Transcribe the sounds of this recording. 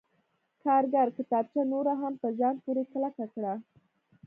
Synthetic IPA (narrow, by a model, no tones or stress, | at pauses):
kɑɾɡaɾkɪt̪ɑb̚t͡ʃanoɾaɦampəzɑnpuɾeklakakɽa